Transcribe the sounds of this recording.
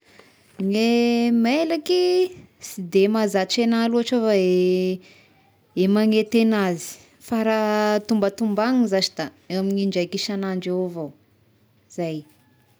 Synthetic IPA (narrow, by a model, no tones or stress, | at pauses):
ŋemelakisid̪emazat͡ʃenaluaʈ͡ʂofae | emaŋet̪enazi̥ | faɾat̪umbət̪umbaŋizat͡ʃid̪a | ewamiɲiɳd͡ʒajkiʃanaɳɖ͡ʐevo | z̥aj